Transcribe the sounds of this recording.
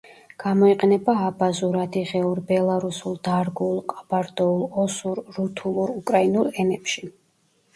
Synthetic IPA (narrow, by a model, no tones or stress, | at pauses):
ɡ̥amɔiqʼɛnɛbaːbazuɾad̪iʁɛuɾbɛlˠaɾusulˠd̪aɾɡulˠqʼabaɾd̪ɔulˠɔsuɾːut̪ʰulˠuɾukʼɾainulˠɛnɛpʃi